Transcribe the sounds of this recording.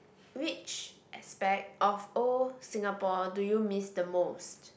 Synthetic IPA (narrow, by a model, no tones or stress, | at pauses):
wit͡ʃʔɛspɛk̚tʔɔfosĩŋapɔdujumisdəmost